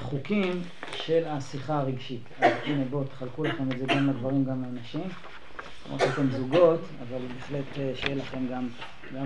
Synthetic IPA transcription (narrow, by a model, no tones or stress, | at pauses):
χukim | ʃe̞lasiχaːʁeɡʃitanatinebot̪ːe̥χalkulaχe̞medzeɡamled̪vaʁimɡamleanaʃim̰ | ma̰titemzuɡo̞t | a̰valbeːχle̞t̪ʃejelaχe̞mɡam | ɡa